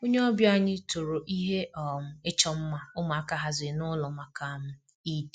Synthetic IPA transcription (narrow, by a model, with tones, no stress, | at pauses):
o˦ɲe˦ɔ˦bja˦ɲɪ˦to˨ɾo˨ʔi˦ɦe˦ɔ˨m̩˨e˦t͡ʃɔ˦m̩˦ma˦ʊ˦ma˨a˦ka˦ɦa˨zɪ˨nʊ˦lɔ˨ma˨ka˨m̩˦ | i˦d